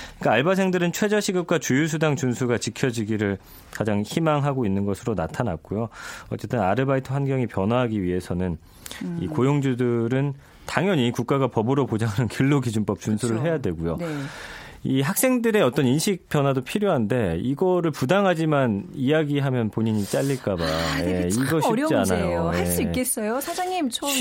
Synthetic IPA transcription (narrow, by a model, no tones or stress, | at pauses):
k͈aaɭbasʰe̞ŋdɯɾɯnt͡ɕʰwe̞d͡ʑaɕʰiɡɯp̚k͈wat͡ɕujus̬ʰudaŋt͡ɕunsʰuɡat͡ɕikʰjʌd͡ʑiɡiɾɯɭ | kad͡ʑaŋçimaŋɦaɡoinːɯnɡʌsʰɯɾonatʰana̰k̚k͈ujoʌ̰t͡ɕ͈e̞t͈ɯnaɾɯbaitʰohanɡjʌŋipjʌnwaɦaɡiɥiɦe̞sʰʌnɯn | ḭkojoŋd͡ʑudɯɾɯn | taŋjʌɲikuk̚k͈aɡapʌbɯɾopod͡ʑaŋɦanɯnkiɭːoɡid͡ʑunp͈ʌp̚t͡ɕ͈unsʰuɾɯɭɦe̞jadwe̞ɡujon | iɦak̚s͈e̞ŋdɯɾe̞ʌt͈ʌninɕʰik̚p͈jʌnwadopʰiɾjoɦande̞iɡʌɾɯɭpudaŋɦad͡ʑimanijaɡiɦamjʌnpoɲiɲit͡ɕ͈aʎːiɭk͈abajeiɡʌɕʰiianajojeas͈ik͈es͈ʌjosʰad͡ʑaŋimt͡ɕʰo